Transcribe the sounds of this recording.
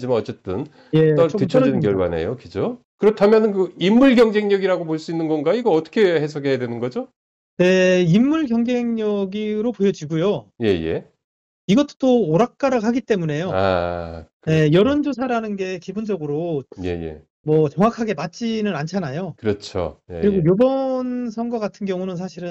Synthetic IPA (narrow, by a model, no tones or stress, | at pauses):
d͡ʑimanʌt͡ɕ͈et͈ɯn | je̞t͈ʌɭtɯt͡ɕʰʌinɯnkjʌɭbane̞̰jokid͡ʑo | kɯɾʌtʰamjʌnɯnkɯimːuɭɡjʌŋd͡ʑe̞ŋɲʌɡiɾaɡopoɭs͈uinːɯnɡʌnɡaiɡʌʌt͈ʰʌ̥kʰe̞hesʰʌɡʰe̞jadwe̞nɯnɡʌd͡ʑo | ne̞imːuɭɡjʌŋd͡ʑe̞ŋɲʌɡiɾopojʌd͡ʑiɡujoje̞̰je̞̰ | iɡʌt͈o̥t͈oːɾak̚k͈aɾahaɡit͈e̞mune̞joa̰ | ne̞jʌɾond͡ʑosʰaɾanɯnɡe̞kibond͡ʑʌɡɯɾoje̞̰jḛ | mʌt͡ɕʌŋwakʰaɡe̞mat͡ɕ͈inɯnant͡ɕʰanajokɯɾʌt͡ɕʰo̰kjeɯɾiɡojobʌnsʰʌŋɡwaɡatʰɯnɡjʌŋunɯnsʰaɕʰiɾɯn